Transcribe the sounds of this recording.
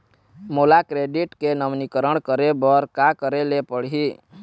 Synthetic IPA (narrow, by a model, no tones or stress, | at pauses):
molakɾeɖiʈkenəʋnikəɾəɳkəɾebəɾkakəɾelepəɽɦi